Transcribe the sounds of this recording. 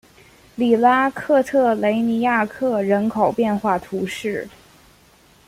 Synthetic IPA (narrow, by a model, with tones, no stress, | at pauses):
li˨˩la˥kʰɤ˥˧t̪ʰɤ˥˩le˧˥ɪni˧˥ja˥˧kʰɤ˥˩ɻə˧˥nkʰo˨˩ʊpjɛ˥˧nxwa˥˩t̪ʰu˧˥ʂɻ̩˥˩